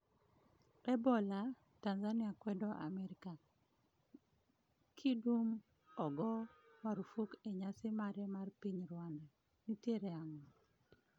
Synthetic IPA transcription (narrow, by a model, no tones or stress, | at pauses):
ɛbɔla | tanzanɪakwɛdɔʔa̰mɛɾika | kʰidum | ɔɡɔmaɾufukeɲasɪmaɾɛmarpiɲɾwandɛ | nitjeɾɛaŋɔ